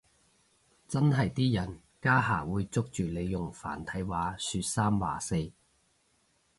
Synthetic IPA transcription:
t͡sɐ˥nɦɐ˨jt̪iː˥jɐ˨˩n | kaː˥ɦaː˨˩wuː˨˧jt͡sʊ˥k̚t͡ʃyː˨le˨˧jjʊ˨˩ŋfa̰ː˨˩nt̪ʰɐ˨˥jwaː˨˥syː˧t̚saː˥mwa̰ː˨˩se˧j

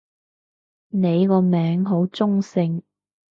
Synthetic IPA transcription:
ne˨˧jkɔː˧mɛː˨˥ŋɦo˨˥wt͡sʊ˥ŋsɪ˧ŋ

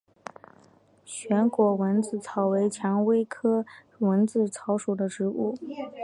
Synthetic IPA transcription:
ɕɥɛ˧˥nkwɔ˧˥wə˧˥nt͡sɹ̩˥˩t͡sʰɑ˨˩ʊwe˧˥ɪt͡ɕʰjɑ˧˥ŋwe˥ɪkʰɤ˥˩ | wə˧˥nt͡sɹ̩˥˩t͡sʰɑ˧˥ʊʂu˨˩d̪ə˦ʈ͡ʂɻ̩˧˥u˥˩

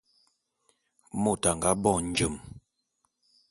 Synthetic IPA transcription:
mo˦˨ta˨ŋɡa˦bɔ˦˨n̩˨˦d͡ʒə˨m

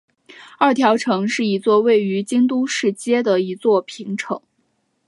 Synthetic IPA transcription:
ɐ˞˥˩t̪ʰjɑ˧˥ʊʈ͡ʂʰɤ˧˥ŋʂɻ̩˥˩i˧˥t͡swɔ˥˧we˥˩ɪy˧˥t͡ɕi˥ŋt̪̬u˥ʂɻ̩˥˩t͡ɕjɛ˥d̪ə˨i˧˥t͡swɔ˥˩pʰi˧˥ŋʈ͡ʂʰɤ˧˥ŋ

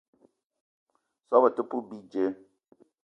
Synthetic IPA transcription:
sɔ˦bə˨tu˦pu˦bi˦d͡ʒe˨˦

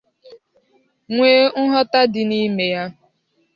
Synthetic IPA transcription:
ŋʷeː˦ŋ̩˦ɦɔ˦ta˦dɪ˨ni˦me˨ja˦

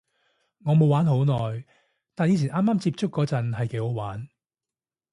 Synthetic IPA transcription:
ŋɔː˨˧mo˨˧waː˨˥nɦo˨˧˥wnɔː˨˩j | t̪aː˨njiː˨˧˥t͡sʰi˨˩nʔaː˥maː˥mt͡siː˧p̚t͡sʊ˥kːɔː˨˥t͡sɐ˨nɦɐ˨jke˨˥ho˨˥waː˨˥n

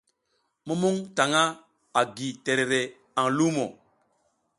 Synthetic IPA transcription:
mu˦mu˦ŋta˨ŋa˦ | a˨ɡi˨te˨ɾe˨ɾe˨ | a˨ŋlu˦mo˨

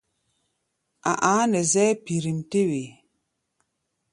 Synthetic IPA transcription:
ʔa̰˨ʔaː˨˦nɛ˨zɛ˦pi˨ɾi˨mte˦we˨

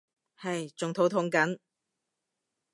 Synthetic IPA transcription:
hɐ˨jt͡sʊ˨ŋt̪ʰo˨˥wt̪ʰʊ˨˥ŋkɐ˨˥n

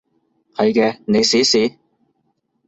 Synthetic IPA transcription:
hɐ˨jkɛː˧ne˨˧jsiː˨˥siː˨˥

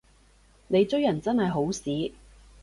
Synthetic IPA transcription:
ne˨˧jt͡sɵ˥ɥjɐ˨˩nt͡sɐ˥nhɐ˨jɦo˨˥wsiː˨˥

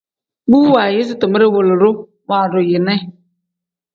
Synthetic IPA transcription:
bu˦wa˨jɪ˦s̬ɪ˦tʊ˨mɪ˦ɾɪ˦wʊ˨lʊ˨ɾʊ˦ | maː˨ɾʊ˨jɪ˨nɛ˦

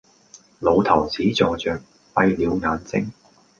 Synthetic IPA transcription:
lo˨˧wt̪ʰɐ˨˩wt͡siː˨˥t͡sɔː˧t͡sœː˨k̚ | pɐ˧jliː˨˧wŋaː˨˧nt͡sɪ̰˥ŋ

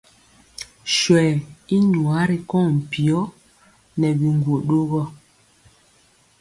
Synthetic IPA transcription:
ʃwɛː˨i˦ɲu˨a˨˦ɾi˦kɔ̃˦˨m̩˨pi˨ɔ˦ | nɛ˨bi˨ŋ˨ɡwo˨ʔɗo˦ɣɔ˦

